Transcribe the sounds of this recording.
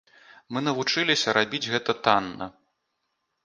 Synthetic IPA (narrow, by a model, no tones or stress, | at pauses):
mɨnɐvut͡ʂɨlʲisʲɐɾabʲid͡zʲɣɛt̪ɐt̪anːɐ̰